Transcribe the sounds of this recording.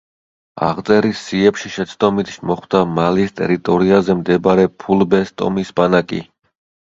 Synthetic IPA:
a̰ʁt̪sʼɛɾisːiɛpʃiʃɛt̪sʰt̪ʼɔmit̪ʰʃmɔχwd̪amalist̪ʼɛ̰ɾit̪ʼɔɾiazɛmd̪ɛbaɾɛpʰulˠbɛst̪ʼɔ̰misbanakʼḭ

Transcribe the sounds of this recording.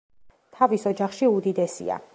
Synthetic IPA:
t̪ʰavisɔd͡ʒaχʃiud̪id̪ɛsḭa̰

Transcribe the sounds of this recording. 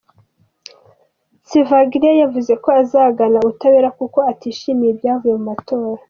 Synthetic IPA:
sivaɡiɾiajavuze̞ko̞azaːɡanautaweːɾakuko̞atiːʃimijebjaːvujemumato̞ːɾa

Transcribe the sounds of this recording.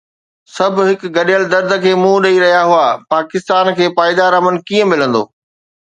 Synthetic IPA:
sɐb̆ʱɦɪkɡɐɗijəld̪ɐɾd̪ʱə̆kʰeːmũːɗɐiɾɐɦijaɦuapaːkɪst̪aːnkʰeːpaːɪd̪aɾaːmən̆kiːə̃mɪlə̃nd̪o̰ː

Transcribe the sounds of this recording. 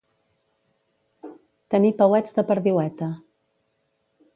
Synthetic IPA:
t̪ənipəwɛd͡zðəpəɾðiwɛt̪ə

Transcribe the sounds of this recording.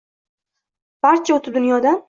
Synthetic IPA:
b̥aɾt͡ʃʰaot̪ʰɪp̚d̪ʊnjɒd̪a

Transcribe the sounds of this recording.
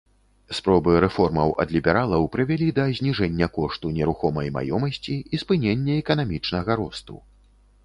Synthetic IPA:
spɾɔbɨɾɛfɔrmɐwʔɐ̰d̪lʲibʲɛɾalˠɐwpɾɨvʲalʲid̪ɐzʲnʲiʐɛnʲːɐkɔʂt̪unʲɛɾuxɔmɐjma̰jɔmɐsʲt͡sʲiispɨnʲenʲːɐɛkɐnamʲit͡ʂnɐɣɐɾɔst̪ṵ

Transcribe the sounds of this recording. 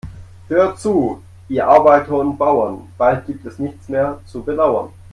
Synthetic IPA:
høːɐtt͡suː | ʔiːɐʔaɐbaɪtʰəʊn̚b̥aʊɐnb̥alt̚ɡ̥iːp̚tɛsnɪçt͡smeːɐt͡subədaʊɐ̰n

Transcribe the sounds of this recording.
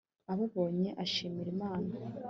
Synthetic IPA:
aβaβo̞ːɲe̞ʔaʃiːmiɾimaːna

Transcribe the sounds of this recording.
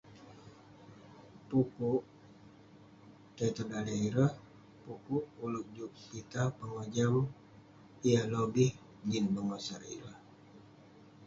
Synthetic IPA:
pupuʔ | t̪et̪ədalaiɾəh | pupuʔulʊk̚d͡ʒuk̚pit̪apəŋod͡ʒam | ialobih | d͡ʒinbəŋosaɾḭɾəh

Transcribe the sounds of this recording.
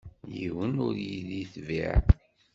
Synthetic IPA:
jiwənʊɾjiðiθvḭʕ

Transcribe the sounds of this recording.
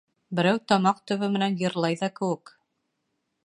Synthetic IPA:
bɘ̆ɾæwt̪ɑmɑq̚t̪ɵ̆βɘmɘ̆nænjɤ̆ɾlˠɑjðɑkɘ̆wɘk

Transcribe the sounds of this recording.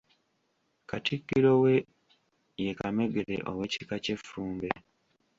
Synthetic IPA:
katikːiɾowe | jekame̞ɡeɾḛʔo̰we̞cikace̞fːuːmbe

